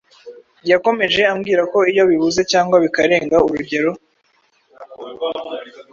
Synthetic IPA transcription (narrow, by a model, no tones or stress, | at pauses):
jako̞me̞ʒe̞amɡiːɾako̞ijo̞βiβuze̞caːŋɡwaβikaɾe̞ːŋɡauɾuɟe̞ɾo̞